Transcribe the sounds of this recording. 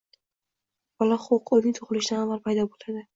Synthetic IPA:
bɒlˠɒχoqʰolnɪŋt̪ʰoʁɨlˠɪʃɪd̪anavalpʰajd̪ɒbolad̪ɪ

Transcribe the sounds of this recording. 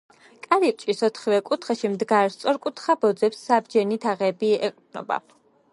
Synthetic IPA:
kʼaɾip̚ʼt͡ʃʼisɔt̪ʰχivɛkʼut̪ʰχɛʃimd̪ɡaɾst̪sʼɔɾkʼut̪ʰχabɔd̪zɛpsːabd͡ʒɛnit̪ʰaʁɛbiɛqʼd̪nɔ̰ba̰

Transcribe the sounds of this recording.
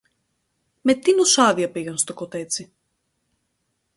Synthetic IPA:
met̪inosaðiɐpiɣɐnst̪okot̪et̪si

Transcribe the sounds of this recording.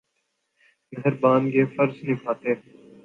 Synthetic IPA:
ɡʱəɾbãːnɡeːfəɾznĩːpʰaːt̪eː

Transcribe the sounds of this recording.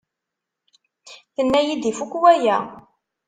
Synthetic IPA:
θənːæjid̪ifukwæjæ

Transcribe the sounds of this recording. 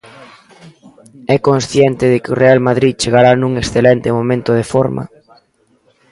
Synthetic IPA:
ɛkonsθjɛnt̪ɪðɪkɪorealmaðɾit̪̚t͡ʃeɣaɾanũŋeksθelɛnt̪ɪmomẽnt̪ʊð̞efoɾmɐ̰

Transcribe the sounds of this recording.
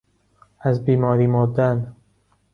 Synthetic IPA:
æzbiːmɒːɾiːmɔd̪æn

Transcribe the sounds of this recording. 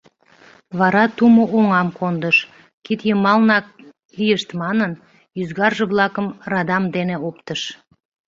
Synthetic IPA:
βɑɾɑt̪umoʔoŋɑmkond̪əʃ | kit̪jəmɑlnɑk̚ | lijəʃt̪mɑnən | jyzɣɑrʒeβlɑkəmrɑd̪ɑmd̪eneopt̪əʃ

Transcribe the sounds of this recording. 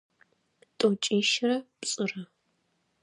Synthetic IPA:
tʼot͡ʃʼeːʃɪrɐpsʼɨrɐ

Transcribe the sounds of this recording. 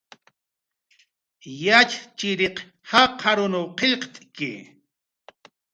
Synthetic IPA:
jat͡ʃt͡ʃɪɾeq | haqʰaɾʊnowqʰeʎqt̪ʼkɪ̰

